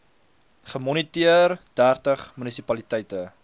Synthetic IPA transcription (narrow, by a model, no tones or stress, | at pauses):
χəmɔnitiərdærtəχmynisipɐlitɛjtə